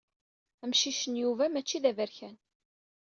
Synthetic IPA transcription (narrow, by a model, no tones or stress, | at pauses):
æmʃiʃənjuvæmæt͡ʃːiðævəɾçæn